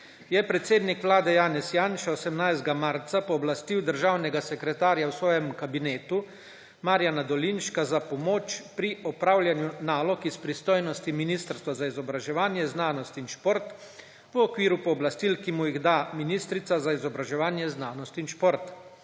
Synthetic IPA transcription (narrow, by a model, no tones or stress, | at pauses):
jɛpɾɛt̪seːd̪nikʋlaːd̪ɛjaːnɛsjaːnʃaɔsɛmnajst̪ɡamaɾt̪sapɔːblast̪iwd̪əɾʒawnɛɡasɛkɾɛt̪aːɾjawsʋɔːjɛmkabineːt̪u | maɾjanad̪ɔlinʃkazapɔmoːt͡ʃpɾiʔɔpɾawljanjunaːlɔkispɾist̪oːjnɔst̪iminist̪əɾst̪ʋazaizɔbɾaʒɛʋaːnjɛznaːnɔst̪inʃpoɾt̪ | ʋəɔkʋiːɾupɔːblast̪ilkimujiɣd̪aminiːst̪ɾit̪sazaizɔbɾaʒɛʋaːnjɛznaːnɔst̪inʃpoɾt̪